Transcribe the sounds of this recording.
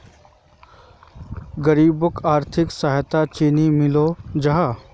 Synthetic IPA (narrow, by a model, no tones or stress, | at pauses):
ɡɐɾiːbʊkʰaːɾt̪ʰɪksaɦt̪at͡ʃiːnimɪloːd͡ʒɐɦaː